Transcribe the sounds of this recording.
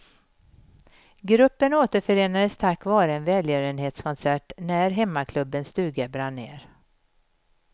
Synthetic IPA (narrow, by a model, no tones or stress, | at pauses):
ɡɾɵpːənoːt̪əɾfœɾeːnad̪əst̪ʰakːvɑːɾəɛnvɛːljøːɾənheːt̪skʰɔnsæʈnæɾɦɛmːakʰlɵbːənst̪ʉ̟ːɡəbɾanḛːɾ